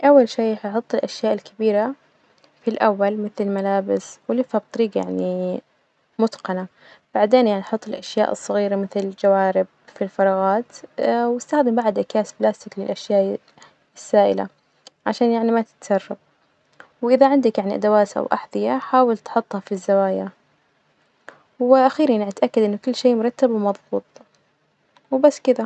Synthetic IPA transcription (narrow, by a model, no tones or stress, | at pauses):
ʔawːalʃiːħjħʊt̪ˤːɪlʔaʃjaːʔɪlkʰɪbiːɾa | filʔawːalmɪθlɪlmalaːbɪswɪlifhab̚t̪ˤɑɾiːɡja̰ʕni | mʊt̪qɑna | b̥aʕd̪eːnjaʕniʔħʊt̪ˤːɪlʔaʃja̰ːʔɨ̰sˤːɑɣiːɾamɪθlɪld͡ʒawaːɾɪb̚ | filfɑɾˤɑːɣɑːt̪wɪst̪axd̪ɪmbaʕd̪ʔakjaːsblaːst̪ɪklɪlʔaʃjaːʔ | ɪsːaːʔɪ̰la̰ | ʕaʃaːnjaʕnimat̪ɪ̥t̪sɑrˤːɑb̚ | wʔɪðaʕɪnd̪akjaʕniʔa̰d̪awaːt̪ʔa̰wʔa̰ħðˤɪjaħaːwɪlt̪ħʊt̪ˤːhɑfizːawaːja | wɪʔaxiːɾanʕat̪ʔakːad̪ʔɪnːʊkʊlːʃeːʔmʊɾˤɑt̪ːabwmɑðˤbuːt̪ˤ | wbasːkɪd̪a